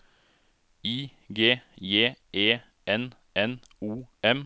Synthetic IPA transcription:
iː | ɡeːjeːʔeː | ɛn | ɛn | uːɛm

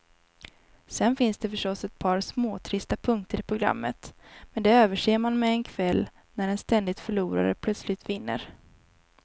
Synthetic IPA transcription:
sɛnfɪnsd̪ɛfœʂʈɔsːɛt̪̚pʰɑːɾsmoːt̪ʰɾɪst̪apʰɵŋk̚t̪əɾɪpʰɾʊɡɾa̰mːət̪mɛnd̪ɛøːvəʂeːmanmɛːnkʰvɛlː | næɾɛnst̪ɛnd̪ɪt̪fœɭuːɾa̰ɾə̰pʰlœt̪slɪt̪vɪnːə̰ɾ

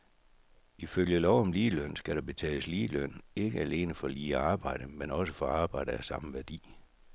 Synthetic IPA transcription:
iføljəlɒʊ̰ɒ̽mliːløn̰sɡ̥æɾ̥ɑ̈b̥e̝t͡sʰɛ̰ːləsliːløn̰e̝ɡ̥əæle̝ːnəfɒ̽liːɑ̈ːb̥ɑ̈ɪ̰ɾ̥əmenɒ̽səfɒ̽ɑ̈ːb̥ɑ̈ɪ̰dəæsɑ̈məʋæɐd̥ḭː

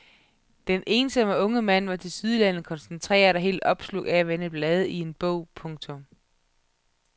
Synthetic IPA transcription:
d̥ene̝ːnsɒ̽məɔ̽ŋəmæn̰ʋɑ̈t͡sʰe̝lsyð̞ˠlænð̩ˠkʰɒ̽nsent͡sʰʁɛ̰ːɐd̥ɑɦe̝̰ːld̥ɒ̽b̥slo̝̰ææʋenəb̥lɛːð̞ˠəie̝nb̥ɔ̰ʊ̰pʰɔ̽ŋt͡sʰɔ̽m

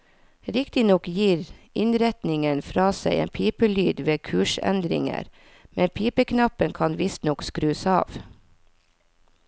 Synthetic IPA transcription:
ɾɪkt̪ɪnɔkjiːɾɪnɾɛt̪nɪŋənfɾɑːsæɪʔḛːnpʰiːpəlyːd̪ʋeːkʰʉːʃɛ̰nd̪ɾɪ̰ŋə̰ɾ | mɛnpʰiːpəkʰnɑpənkʰɑnʋɪst̪nɔkskɾʉːsɑ̰ːʋ

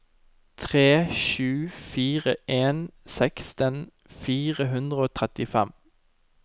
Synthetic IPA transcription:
t̪ʰʁeːʃʉːfiːʁəʔeːnsɛkst̪ən | fiːʁəɦʉnd̪ʁəoːt̪ʰʁɛt̪ɪfɛm

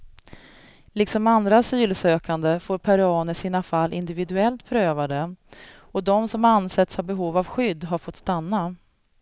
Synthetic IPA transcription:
lɪksɔmand̪ɾasyːlsøːkand̪əfoːɾpʰaɾɑːnəʂiːnafalːʔɪnd̪ɪvɪd̪ɵɛlt̪pʰɾøːvad̪ə | ɔd̪ɔmsɔmanːsɛt̪shaɾbɛɦuːvavɧʏd̪ːɦaɾfɔt̪st̪anːa

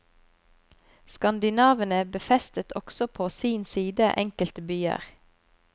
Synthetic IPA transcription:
skɑnd̪ɪnɑːʋənəbəfɛst̪ət̪ʰɔksɔpʰoːsiːnsiːd̪əʔɛŋkəlt̪əbyːə̰ʁ

